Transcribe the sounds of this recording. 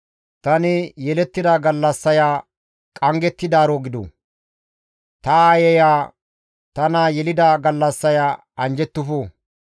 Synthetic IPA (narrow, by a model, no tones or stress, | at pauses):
t̪ɐnɪjɛlɛt̪ːɪd̪aːɡɐlːɐsːɐjaː | kʼɐŋɡɛt̪ːɪd̪aːɾoːɡɪd̪o̰ | t̪ɐaːjɛjaː | t̪ɐnaːjɛlɪd̪aːɡɐlːɐsːɐjaː | ɐnd͡ʒɛt̪ːʊfoː